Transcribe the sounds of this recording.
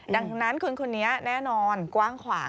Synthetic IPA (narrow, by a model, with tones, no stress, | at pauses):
da˨˩ŋna˦˥nkʰu˧nkʰo˧nːi˦˥ɐnɛː˦˥˩nɔː˧nkwaː˥˩ŋkʰwaː˩˦